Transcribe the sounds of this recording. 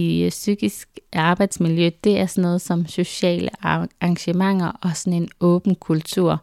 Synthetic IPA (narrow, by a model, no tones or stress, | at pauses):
isyɡ̥isɡ̥ɑ̈ːb̥ɑ̈ɪd̥smiljød̥e̝æɐsɒnɔ̽ːð̞̩ˠsɒ̽mso̝ɕɛ̰ːləɑ̈ŋɕəmɑ̈ŋ̰ɐʔɒ̽sɒne̝nɔ̽ːb̥n̩kʰult͡sʰuɐ̰